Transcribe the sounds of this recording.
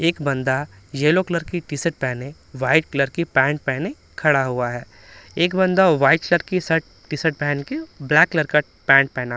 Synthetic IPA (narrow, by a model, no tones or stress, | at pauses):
eːkbɐ̃nd̪a | jeːlokləɾkiʈisəʈ̚pɛɦnẽ | ʋaːɪʈkləɾkipɛ̃ːɳʈ̚pɛːnẽ | kʰɐɽaɦuaɦɛː | eːkbɐ̃nd̪aʋaːɪʈkləɾkisɐʈ̚ | ʈisəʈ̚pɛɦnkeblɛːkːləɾka | pɛ̃ːɳʈ̚pɛːna